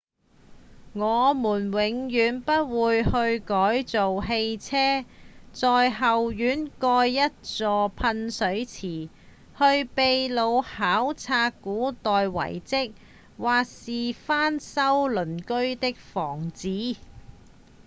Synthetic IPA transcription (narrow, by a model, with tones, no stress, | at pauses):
ŋɔː˨˧muː˨˩nwɪ˨˧˥ŋjyː˨˧npɐ˥t̚wuː˨˧jhɵ˧ɥkɔː˨˥jt͡so˨wɦe˧jt͡sʰɛː˥t͡sɔː˨jɦɐ˨wjyː˨˥nkɔː˧jːɐ˥t̚t͡sɔː˨˧pʰɐ˧nsɵ˨˥ɥt͡sʰiː˨˩ | hɵ˧ɥpe˨jlo˨˧whaː˨˥wt͡sʰaː˧kːuː˨˥t̪ɔː˨jwɐ̰˨˩jt͡sɪ˥k̚ | waː˨k̚siː˨faː˥nsɐ˥wlɵ˨˩nkɵ˥ɥt̪ɪ˥k̚fɔː˨˩ŋt͡siː˨˥